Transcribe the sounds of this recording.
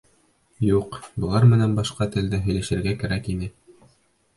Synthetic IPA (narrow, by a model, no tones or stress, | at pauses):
juqbɤ̆lˠɑɾmɘ̆nænbɑʃqɑt̪ɘ̆ld̪ɘɦɵ̆jlæʃɘ̆ɾɡækæɾækinɘ